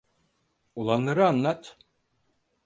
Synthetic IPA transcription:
ulˠanlˠaɾɯanlˠat̪

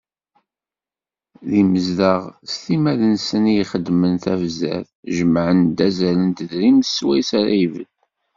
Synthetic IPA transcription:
ðiməzðəʁst̪imæðənsənijiχəd̪mənθævzæ̰θ | ʒəmʕənd̪æzælənt̪əðɾimθswæjsæɾæ̰jvə̰d̪

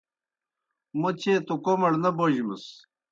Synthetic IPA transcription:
mut͡ɕʰeːt̪ukomɐɽnɐboʑimɐs

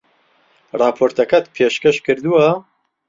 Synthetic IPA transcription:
rɑːpʰoːɾt̪ʰɐkɐt̪pʰeːʃkɐʃkʰɨɾd̪uwɐ

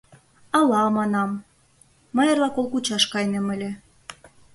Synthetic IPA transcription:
ɑlɑmɑnɑmː | ɤ̆jɤrlɑkolˠkut͡ɕɑʃkɑjnemə̆lʲĕ

